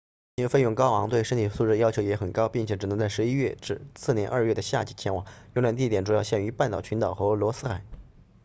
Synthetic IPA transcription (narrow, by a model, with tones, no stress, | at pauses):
i˥ŋfe˥˧jʊ˥˩ŋkɑ˥ʊɑ̰˧˥ŋt̪we˥˩ɪʂə˥ŋt̪ʰi˨˩su˥˧ʈ͡ʂɻ̩˥˩jɑ˥ʊt͡ɕʰjo˧˥ʊjɛ˧˥xə˨˩nkɑ˥ʊpi˥˩ŋt͡ɕʰjɛ˧˥ʈ͡ʂɻ̩˨˩ɤ˧˥t͡sa˥˩ɪʂɻ̩˧˥i˥ɥɛ˥˧ʈ͡ʂɻ̩˥˧sɹ̩˥˩njɛ˧˥nʔə˞˥˧ɥɛ˥˩d̪ə˩ɕja̰˥˩t͡ɕi˨˩t͡ɕʰjɛ˧˥nwɑ˨˩˦ŋjŋla˧˥nt̪̬i˥˩t̪jɛ˨˩nʈ͡ʂu˨˩jɑ˥˧ʊɕjɛ˥˩ny˧˥pa˥˩nt̪ɑ˨˩ʊt͡ɕʰy˧˥nt̪ɑ˨˩ʊxɤ˧˥lwɔ˧˥sɹ̩˥xa˨˩˦ɪ